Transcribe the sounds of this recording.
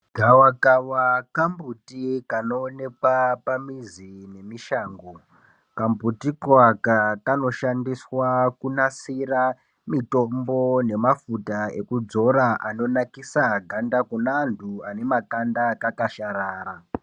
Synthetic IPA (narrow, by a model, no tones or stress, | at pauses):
ɡʱawakawakambutikano̞ːne̞kwapamizine̞miʃaːŋɡo | kambutikwakakano̞ʃandiswakunasira | mito̞mbo̞ne̞mafutae̞kud͡zo̞ɾaʔano̞nakisaɡʱandakunantʰuane̞makandakakaʃaɾaːɾa